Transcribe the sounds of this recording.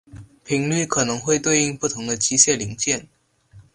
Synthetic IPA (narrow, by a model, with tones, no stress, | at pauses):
pʰi˨˩˥ŋly˥˩kʰɤ˨˩nɤ˧˥ŋxwe˥˧ɪt̪we˥˧ɪi˥˧ŋpu˥˩t̪ʰʊ˧˥ŋd̪ə˧t͡ɕi˧˥ɕjɛ˥˩li˧˥ŋt͡ɕjɛ˥˩n